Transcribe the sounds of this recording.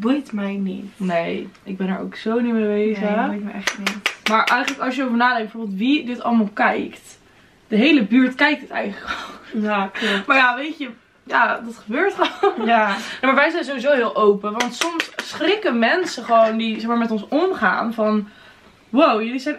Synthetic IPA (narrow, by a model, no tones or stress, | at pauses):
bujtmɛjnḭnejɪɡ̚bɛnə̰ɹo̰wksownimeejʋejzəɛχnimaːɹʔɛjχələkɑsjəowvəɹnaːdɛ̃ŋkb̚əvoɹbɪəlˠtʋidɪtɑ̰lˠmaːlˠkɛjkt | d̥əɦejləbyːɹtkɛjk̚tɪtɛ̰jχələkɔljamaːɹjaʋejtə | jadɑtχəbøːɹtχəonanemaɹʋɛjzɛjnzowʋizowɦɪːlˠʔowpəʋɑntsɔmsχrɪkəmɛnsəχəʋowndizɛχmaːɹmɛtɔ̃nsɔmχa̰ːnvɑn | wowjəlizɛjn